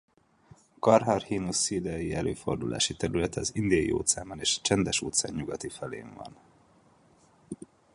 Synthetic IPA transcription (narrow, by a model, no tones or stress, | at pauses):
kɒrɦɒrhiːnusiːd̪ɛjiɛlʔøːfo̞̰rd̪ulʔa̰ːʃit̪ɛɾylɛt̪ɛɒzind̪iɒjḭo̰ːt̪saːmbɒneːʃt͡ʃɛnd̪ɛʃoːt̪sa̰ːɲːuɡɒt̪ifɛlḛːɱvɒ̰n